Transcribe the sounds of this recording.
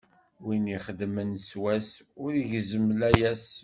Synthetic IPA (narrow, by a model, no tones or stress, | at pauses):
winiχəd̪mənswæsʊɾiʝzəmlæjæs